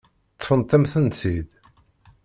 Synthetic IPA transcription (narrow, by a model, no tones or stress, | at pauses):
t̪ˤːfənt̪æmθənsid̪